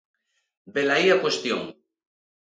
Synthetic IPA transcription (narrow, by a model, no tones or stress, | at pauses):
belaiakwest̪jo̰ŋ